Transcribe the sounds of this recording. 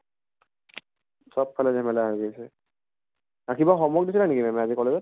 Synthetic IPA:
sɔppʰːalɛzɛmɛlaɦojɡesɛ | akʰibaxɔmɔɡ̚disilanekimɛmɛazikɔlɛzɔt̚

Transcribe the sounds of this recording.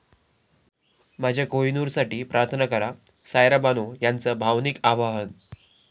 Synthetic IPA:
mad͡ʑʱjakojnuːɾsaʈiːpɾʔaɾt̪ʰənəkəɾasajɾabanojant͡səbʱaʋnikaʋaɦən

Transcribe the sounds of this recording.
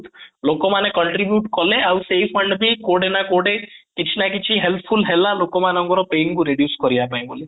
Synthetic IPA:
t̪lokɔmanekɔɳʈɾibjuʈkɔleawsejpʰɔɳɖbʱikoɖenakoɖekit͡ʃʰinakit͡ʃʰiɦelpʰpʰulɦelalokɔmanɔ̃ŋkɔɾɔpeŋkuɾeɖjuskɔɾijapaj̃boli

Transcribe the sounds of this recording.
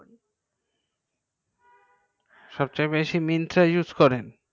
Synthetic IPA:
ʃɔbt͡ɕajbeʃimint̪ɾajud͡ʑkɔɾen

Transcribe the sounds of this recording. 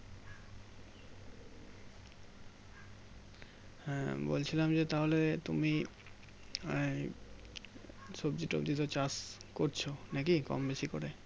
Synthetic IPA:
bo̰lt͡ɕʰilamd͡ʑet̪aɦolet̪umi | sobd͡ʑiʈo̰bd͡ʑit̪ot͡ɕaskoɾt͡ɕʰonakikɔ̰mbeʃiko̰ɾe

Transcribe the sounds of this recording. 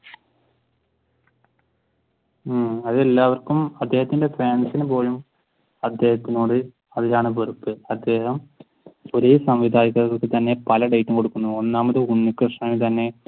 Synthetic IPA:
ɐðelːaːʋɐrkumɐd̪ːe̞ːhɐt̪ːinde̞faːnsinupo̞ːɻum | ɐd̪ːe̞ːhɐt̪ːinoːɽɨ | ɐðilaːɳɨpɐrupːɨɐd̪ːe̞ːɦɐm | oɾeːsɐmʋid̪ʱaːɾiɣɐɣɐɭkːɨt̪ɐnːe̞pɐlɐɖejʈːumko̞ɽukːunːuonːaːmɐðɨuɳːikːrɨʂɳɐjit̪ɐnːe̞

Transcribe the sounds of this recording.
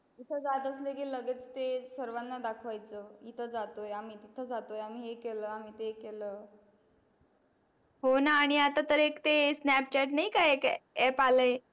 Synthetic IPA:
it̪ʰəd͡zat̪əslekiːləɡet͡st̪esəɾʋanːad̪akʰʋajt͡səit̪ʰəd͡zat̪ojamiːt̪it̪ʰəd͡zat̪ojamiːɦekeləːam̤iːt̪ekeləː | ɦonaːɽ̃iat̪at̪əɾekt̪esnɛp̚t͡ɕɛʈnaikaekɛpaləj

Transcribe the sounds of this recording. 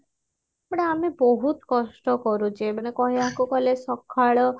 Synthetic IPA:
apɔɽ̃aamebɔɦut̪kɔsʈɔkɔɾud͡ʒeebaɽ̃ekɔɦeakukɔlesɔkʰaɭɔ

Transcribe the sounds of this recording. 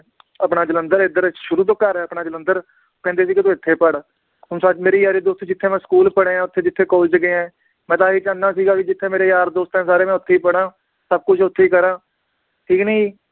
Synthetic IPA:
əpɳaːd͡ʒələnd̪əɾɪd̪əɾʃʊɾuːt̪̬õːkəɾɦɛːəpɳaːd͡ʒələnd̪əɾ | okɛ̃ːnd̪eːs̬iːkɪt̪õɪt̪ʰːeːpəɽ | ʊ̃nsat͡ʃmeːɾiːjaːɾiːd̪oːst̪õːd͡ʒɪt̪ʰːeːmɛ̃ːskuːlpəɽẽːãːʊt̪ʰːeːd͡ʒɪt̪ʰːeːkoːlt͡ʃəɡeːɛ̃ː | mɛ̃ːt̪̬aːɦiːt͡ʃãːnːaːsiːɡaːkid͡ʒɪt̪ʰːẽːmeːɾeːjaːɾd̪oːst̪ɛ̃ːsaːɾeːmɛ̃ːʊt̪ʰːeiːpəɽãː | səb̚kʊt͡ʃʰʊt̪ʰːeːiːkəɾãː | ʈʰiːkniː

